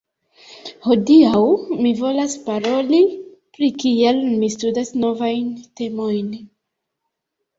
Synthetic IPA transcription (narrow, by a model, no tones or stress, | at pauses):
ho̞diawmivo̞laspaɾo̞lipɾikielmistudasno̞vajnte̞mo̞jn